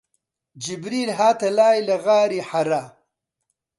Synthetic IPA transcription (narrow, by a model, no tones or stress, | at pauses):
d͡ʒibɾiːlɦaːt̪ɐlaːjlɐɣaːɾiħaɾa